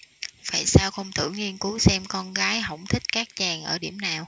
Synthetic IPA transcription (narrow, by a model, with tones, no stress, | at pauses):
faː˧˩jsaː˧wxə˧wŋ͡mt̪ʰɨ̰˧˩ŋi˧ənku˨˦wsɛ˧mkɔ˧nɣaː˨˦jɦə̰˧˩wŋ͡mt̪ʰï˦˥k̟̚kaː˦˥k̚t͡ɕaː˨˩ŋʔəː˧˩ɗi˧˩əmnaː˨˩w